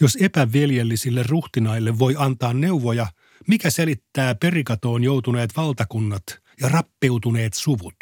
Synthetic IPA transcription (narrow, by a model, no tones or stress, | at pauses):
josepæʋiljelːisilːerruht̪inɑilːeʋʋo̞jɑnt̪ɑːnneuʋojɑ | mikæselit̪ːæːpe̞rikɑt̪oːnjowt̪uneːt̪ʋɑlt̪ɑkunːɑt̪ | jɑrɑpːe̞wt̪uneːt̪suʋut̪